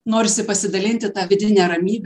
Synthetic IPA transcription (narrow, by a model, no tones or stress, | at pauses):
noːɾʲɪsʲɪpɐsʲɪd̪ɐlʲɪnʲt̪ʲɪt̪ɑːʋʲɪd̪ʲɪnʲɛɾɐmʲiːbʲ